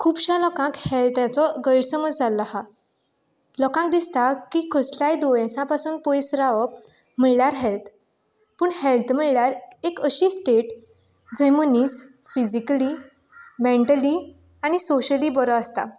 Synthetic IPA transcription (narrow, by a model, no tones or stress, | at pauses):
kʰuːbɕãlɔkãkhelt̪jãt͡sɔɡəjɽsəməd͡zd͡zalːaha | lɔkãk̚d̪ist̪akiːkʰəslajd̪ojẽsãpasuːnpojsɾaʋəp | m̤iɭljaɾɦelt̪ | puːɳhelt̪m̤iɭljaɾekəɕiːsʈeʈ | d͡zəmoniːsfid͡ʑikli | mẽɳʈəli | aɽ̃isoɕəliːbɔɾɔəst̪a̰